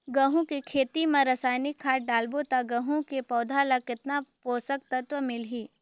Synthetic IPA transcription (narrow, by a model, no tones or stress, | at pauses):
ɡɐɦũkikʰeːt̪imɐ̃ɾɐsaːjnɪkʰːaːʈ̚ɖaːlbot̪aɡɐɦũkepɔːd̪ʱalakɪt̪napoːsək̚t̪ɐt̪ʋəmɪlɦiː